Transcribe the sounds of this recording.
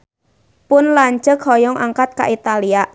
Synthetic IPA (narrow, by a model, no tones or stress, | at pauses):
pʊnlaɲt͡ʃəkɦɔjɔŋʔaŋkat̪̚ka̰ʔit̪aliaʔ